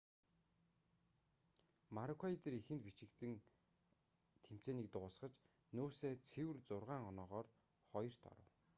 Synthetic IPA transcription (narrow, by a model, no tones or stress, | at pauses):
maɾʊkʰait̪eɾixɘ̆nt̪̚pit͡ɕɪ̆kt̪ɘ̆ŋ | t̪ʰem̥t͡seːniːk̚t̪ʊsχə̆t͡ɕ | noːseːt͡sʰewɘ̆rt͡sʊrʁaːɴɔnɔːʁɔːr | χɔjɞ̆r̥t̪ʰɔ̰ɾɞ̰̆w